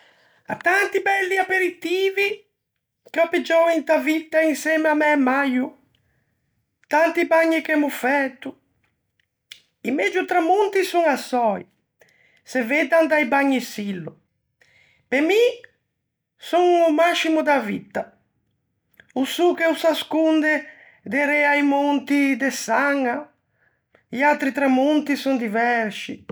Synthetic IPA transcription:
a̰t̪ːant̪ibɛlːiapeɾit̪iːvi | kɔpid͡ʒɔint̪avit̪ːainsɛmamɛmːaju | t̪ant̪ibaɲːikɛmufɛt̪ːu | imɛd͡ʒut̪ɾamːunt̪isuŋasɔj | seved̪and̪ajbaɲːisilːʊ | pemi | suŋumaʃimud̪avit̪ːa | usukɛusaskund̪e | d̪eɾɛajmont̪id̪esaŋa | iat̪ɾit̪ɾamont̪isund̪ivɛɾsi

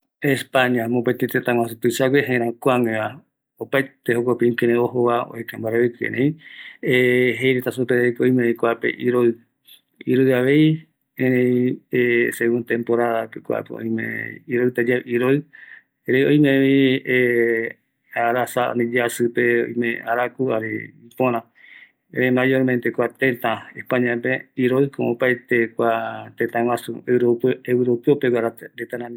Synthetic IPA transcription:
espaɲãmõpet̪et̪et̪ãŋwãs̬ɨt̪ɨsaɡʷeɦẽɾ̃ãkʷaŋẽa | opajt̪eɦokʷopeĩkeɾẽoɦoβao̰ekãmbaɾeβekḛɾʔẽĩeɦejɾet̪asupeeikojmẽĩkʷapḛʔiɾoɨ | iɾoɨaʋe̞j | ẽɾẽj̃eseɣũnt̪ẽmpoɾaðapekʷa̰a̰peõ̰j̃mḛ̃iɾoɨt̪ad͡ʒaʔiɾoɨ | ɾejoj̃mẽβie | aɾasa̰nĩd͡ʒasɨpeo̰jmẽaɾakuaɾḛipõɾ̃ã | ḛɾẽmajoɾmẽnt̪ekʷat̪ẽt̪ãehpãɲãpeiɾoikʰõõpaet̪ekʷat̪ẽt̪ãwãsṵeɾoewɾopeopekʷaɾaɾet̪aɾãm

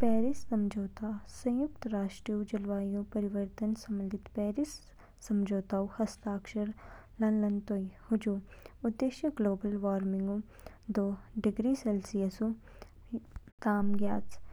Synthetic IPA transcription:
pɛːɾɪsːɐmd͡ʒoːt̪aːsɐ̃j̃ʊkt̪ɾaːʃʈɾiud͡ʒɐlʋaːjũpɐɾɪʋəɾt̪ənsɐ̃mənd̪ʱɪt̪pɛːɾɪsː | ɐmd͡ʒoːt̪aːũhɐst̪aːkʃəɾ | lɐnlɐnt̪oihʊd͡ʒuːʊd̪ːeːʃjəɡloːbəlʋaːɾmɪ̃ŋɡũ | d̪oːɖɪɡɾiːsɛlsijəsu | t̪aːmɡjaːt̪

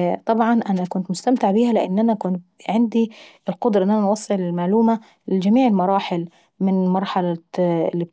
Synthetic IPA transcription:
t̪ˤɑbʕɑnʔænækʊnt̪mʊst̪amt̪ɪʕbiːhælɪʔɪnːʔænækʊnt̪̚ | ʕɪnd̪iɪlqod̪ɾˤɑʔɪenːʔænænwɑsˤːeʕlɪlmaʕluːma | lɪd͡ʒæmiːʕɪlmɑɾˤɑːħɪl | mɪnmɑɾˤħɑla̰lːi

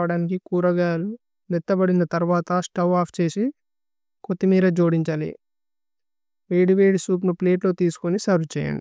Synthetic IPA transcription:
ʋɐɽaːnikikuːɾɐɡaːlu | nɛt̪ːɐbɐɽinɐt̪ɐɾʋaːt̪ɐsʈɐwaːpʰt͡ʃe̞ːsi | kot̪ːimiːɾɐd͡ʒo̞ːɽiɲt͡ʃaːlḭ | ʋeːɽiʋeːɽisuːp̬nupleːʈlo̞ːt̪iːsu̥konisɐɾut͡ʃɛ̰ːjɐ̰ɳɖi

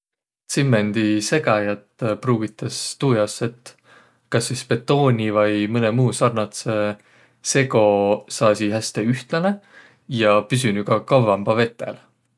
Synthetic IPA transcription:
t̪simːend̪̥ise̞ɡ̥ɑjɑt̪pruːɡit̪ːˑɑst̪uːjɑsːe̞t̪ːˑ | kɑsːispe̞t̪ːˑo̞ːnʲivɑjmɤnemuːsɑrnɑt̪se | se̞ɡo̞sɑːsiɦæst̪e̞yht̪lɑne̞ | jɑpys̬ynykɑkɑwvɑmb̥ɑve̞t̪ːˑe̞̰l

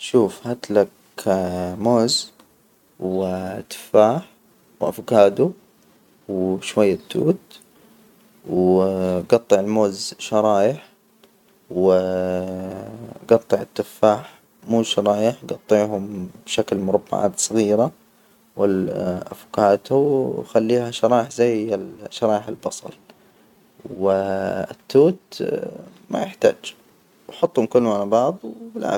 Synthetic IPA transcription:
ʃuːfhat̪lak | moːz | wt̪ːɪ̥fːaːħ | wʔafkaːd̪u | wʃwajːat̪ːṵːt̪ | w | ɡɑt̪ˤːɑʕɪlmoːzʃɑɾˤɑːjɪħ | w | ɡɑt̪ˤːɑʕɪt̪ːɪfːaːħ | muːʃɑɾˤɑːjɪħɡɑt̪ˤːiʕɦʊmbʃaklmʊɾˤɑbːa̰ʕa̰ːt̪sˤɨɣiːɾa | wɪlʔafkaːt̪uwxalːiːhaʃɑɾˤɑːjɪħzajːalʃːɑɾˤɑːjɪħɪlbɑsˤɑ̰l | wɪɪt̪ːuːt̪ | ma̰jɪħt̪a̰ːd͡ʒ | wħʊt̪ˤːhʊmkʊlːʊmʕalabɑʕðˤwbɪlʕa̰

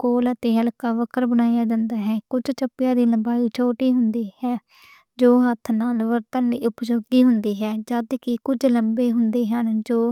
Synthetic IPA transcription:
koːlət̪eːɦəlkaːʋəkʰəɾbənaːjaːd͡ʒãːnd̪aːɦɛːkʊd͡ʒt͡ʃəpːɪjãːd̪iːləmbaːiːt͡ʃʰoːʈiːɦʊnd̪iːɦɛː | d͡ʒoːɦət̪ʰːnaːlʋəɾt̪ənːiːʊpd͡ʒoːɡiːɦʊnd̪iːɦɛːd͡ʒəd̪kɪkʊd͡ʒləmbeːɦʊnd̪eːɦənd͡ʒoː

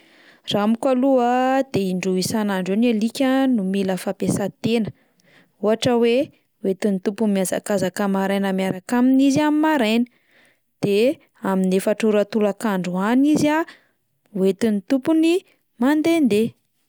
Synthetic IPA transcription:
ramikaluəd̪̥eiɳɖ͡ʐuisanaɳɖ͡ʐenelikʲənumiləfapesat̪enə | uɦaʈ͡ʂəwe | wet̪init̪upumiaza̰kazakəmaɾajnəmjaɾakaminiziamimaɾajnə̥ | d̪̥e | aminefaʈ͡ʂuɾət̪ulakaɳɖ͡ʐuanizia | uwet̪init̪upuni | mand̪end̪e

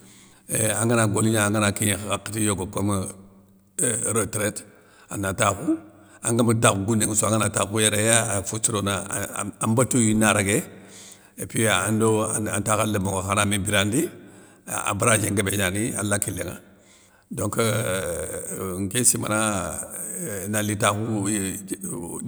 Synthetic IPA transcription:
eaŋɡanaɡoliɲaŋɡanakiɲxaakːitijoɡokom | ɾotɾet | anataku | aŋɡamədakɡunːeŋsoaŋanatakujeɾejaafusiɾonaambatojinaɾaɡe | epiaːndoaa̰ntakaləmoŋohanamibiɾandi | a̰baɾad͡ʒeŋɡebeɲania̰lakileŋa̰ | doŋkə | ŋkesima̰na | nalitaku

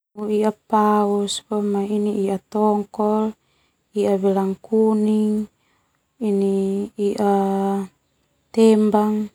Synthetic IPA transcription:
uiapauspɔmainiiʔat̪ɔŋkɔl | iʔabɛlaŋkuniŋ | iniːʔa | t̪ɛmbaŋ

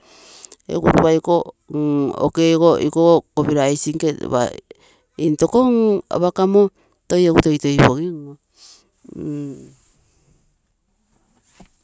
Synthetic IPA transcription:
ḛɡṵɾuβajko | ŋo̰kekoikookoβiɾajsiŋkeβa̰ | into̞koŋa̰βakamo | tojeɡuto̞jto̞jβoɡiŋo

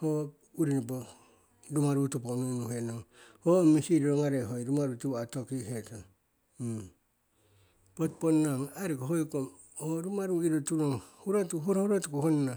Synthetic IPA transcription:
ho | uɾinipo | ɾumaɾutuponunuɦenoŋhomisiɾiɾoŋaɾeɦojɾumaɾutuatokiheta | potponːaŋaɾikoɦojkom | oɾumaɾuiɾotuɾoŋhuɾatuɦuɾahuɾatukuhonna

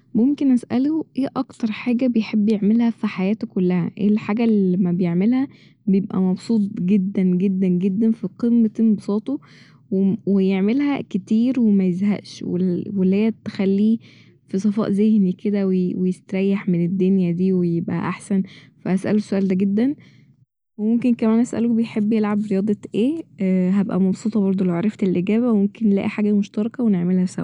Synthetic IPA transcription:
momkenʔæsʔæloʔeːʔɑkt̪ɑɾˤħaːɡæbejħebːjeʕmelhæfiħajæːt̪okolːæhæ̰ʔḛːlħaːɡælimæbejeʕmelhæ | bejebʔæ̰mɑbsˤuːt̪̚ˤɡed̪ːænɡed̪ːænɡed̪ːænfiqemːet̪ebosˤɑːt̪ˤo | wewejeʕmelhæket̪iːɾwemæjezhæ̰ʔʃwḛwelːhejːæt̪ːe̥xælːiː | fisˤɑfɑ̰ʔzehniked̪æwewejest̪ɾˤæjːaħmened̪ːonjæd̪iːwejebʔæ̰ʔaħsænfæʔæsʔæ̰losoʔæːld̪æɡed̪ːæn | wemomkenkæmæːnʔæsʔæ̰lobejħebːjelʕabɾejɑːd̪ˤɑʔeːɦæbʔæ̰mɑbsˤuːt̪ˤɑbɑɾˤd̪ˤolæwʕɑɾˤɑft̪elʔeɡæːβæwemomkenːlæ̰ʔiħaːɡæmoʃt̪ɑɾˤɑkɑweneʕmelhæsæ̰w

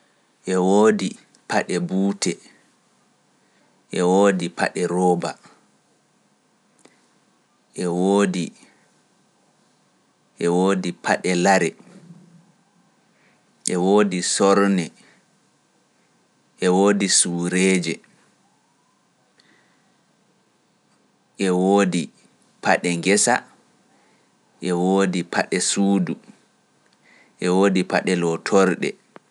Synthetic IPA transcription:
ʔɛwoːdi | paɗɛbuːtʰɛ | ʔɛwoːdipa̰ɗɛɾɔːba̰ | ʔɛwoːdi | ʔɛwoːdipʰaɗɛlaɾɛ | ʔɛwoːdisɔɾnɛ | ʔɛwoːdisuːɾeːd͡ʒɛ | ʔɛwoːdi | pʰaɗɛŋɡɛsa̰ | ʔɛwoːdipʰaɗɛsuːdu | ʔɛwoːdipa̰ɗɛlɔtʰɔɾɗɛ̰

